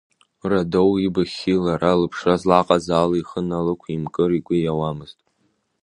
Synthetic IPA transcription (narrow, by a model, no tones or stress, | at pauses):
radowibaχʲilaɾalɨpʰʂazlaqʼazaːliχənalɨkʷʰimkʼɨriɡʷʊjawamɨztʼ